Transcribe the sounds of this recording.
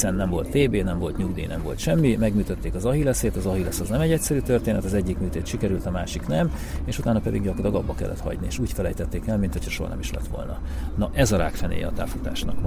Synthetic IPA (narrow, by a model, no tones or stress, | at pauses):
sɛnːɛmvo̞lt̪ːeːbeːnɛɱvo̞lt̪ɲuɡd̪ḭːnɛmvo̞lt̪ʃɛmːimɛɡmyːt̪øt̪ːeːkɒzɒɦilɛseːt̪ɒzɒɦilɛsɒznɛmɛɟɛcʲsɛɾyːt̪ørt̪eːnɛt̪ɒzɛɟːikmyːt̪eːt̪ʃikɛɾylt̪ɒmaːʃiknɛm | eːʃut̪aːnɒpɛd̪iɡɟɒkolɒɡɒbːɒkɛ̰lːɛ̰t̪hɒ̰ɟniḛːʃuːcfɛlɛjt̪ɛt̪ːeːkɛlmint̪ho̞cʰhɒʃoɦɒ̰nɛ̰miʃlɛ̰t̪ʋo̞̰lnɒnɒʔɛzɒɾa̰ːkfɛnḛːjɛ̰ɒt̪a̰ːfut̪a̰ːʃnɒk